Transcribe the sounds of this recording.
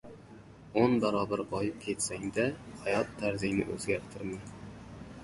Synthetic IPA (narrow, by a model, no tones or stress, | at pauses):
onbaɾɒbaɾbɒjɪp̚kʲʰe̞t̪saŋd̪ahajɒt̪ʰːaɾzɪjnɪ̰ʔɵzɡʲaɾt̪ʰɪɾman